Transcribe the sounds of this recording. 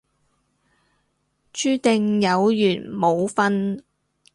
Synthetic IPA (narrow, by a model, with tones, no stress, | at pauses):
t͡ʃyː˥t̪ɪ˨˧ŋjɐ˨˧wjyː˨˩nmo˨˧wfɐ˥n